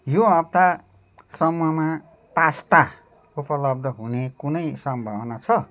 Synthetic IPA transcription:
joʌbt̪a | sʌmuʌma | past̪a | upʌlʌb̚d̪ʱʌɦunekunʌjsʌmbʱʌbnat͡sʰʌ

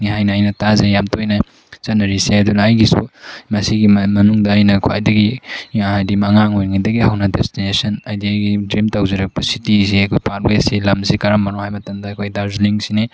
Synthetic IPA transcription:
ŋiɦajnɐːjnɐtazejamtojnɐ | zɐnɐɾiseɐdunɐːjɡisṵmɐsiɡimɐnuŋdɐːjnɐkʰwajdɐɡiajdimɐŋaŋojnŋadɐɡihawnɐdestinesɐnajdiajɡidɾimtawzɐɾɐk̚pɐsitiziɐkʰojpaɾwesilɐmsikaɾɐmːɐnohajmɐtɐmdɐːkʰojdaɾzliŋsine

